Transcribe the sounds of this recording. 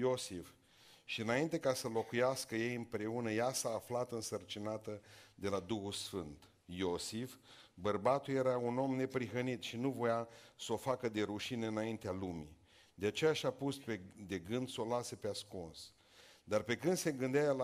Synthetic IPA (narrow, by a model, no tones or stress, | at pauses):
josif | ʃiɨnaint̪e̞kasəlo̞kujaskəje̞jɨmpɾe̞unəjasaːflat̪ɨnsərt͡ʃinat̪əd̪e̞lad̪uxulsfɨnt̪ | jo̞sifbərbat̪ulje̞ɾauno̞mne̞pɾiɦənit̪ʃinuvo̞jasəo̞fakəd̪e̞ɾuʃineɨnaint̪ealumḭ | d̪eat͡ʃe̞jaʃʲapusped̪e̞ɡɨnd̪so̞lasepeaskuns | d̪arpe̞kɨnd̪se̞ɡɨnd̪eajla